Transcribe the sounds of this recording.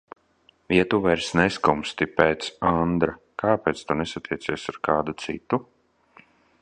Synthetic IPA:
viɛt̪uvɛɾsnɛskumst̪ipɛːt̪sand̪ɾa | kaːpɛːt̪st̪unɛsat̪iɛt̪siɛsaɾkaːd̪ut̪sḭt̪u

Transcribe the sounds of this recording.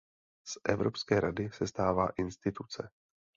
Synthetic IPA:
sʔɛvɾopskɛːɾadɪsɛst̪aːvaːʔɪnst̪ɪt̪ut͡sɛ

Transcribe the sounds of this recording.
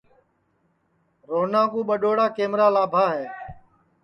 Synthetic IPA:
ɾoːnãːkuːɓəɗoːɽaːkeːmɾaːlaːbʱaːɦeː

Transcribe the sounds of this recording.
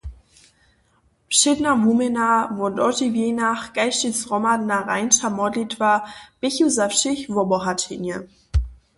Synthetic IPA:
pʃɪdnavumɛnavɔndɔtivjenaχɡ̥aɪʃtisʁɔmadnaʁa̰ɪnʃamɔdlitvab̥ɪçuzafʃɪçvɔbɔɦatʰɪnjə

